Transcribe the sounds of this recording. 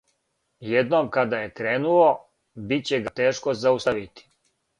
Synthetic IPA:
jed̪nomkad̪aje̞kɾeːnulo̞ | bit̪̚t͡ɕeɡat̪eːʃkozaust̪aʋit̪i̥

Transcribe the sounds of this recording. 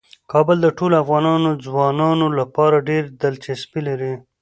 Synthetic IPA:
kɑbəld̪əʈolafɣɑnɑnod͡zwɑnɑnolapɑɾaɖeɾd̪alt͡ʃɪspilaɾi

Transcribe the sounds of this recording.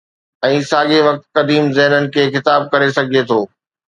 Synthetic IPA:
ɛ̃ːsaːɠeʋɐk̚t̪̚kɐd̪iːmzɛɦnənɪ̆kʰeːxɪt̪aːb̚kɐɾesɐɡʱiet̪ʰoː

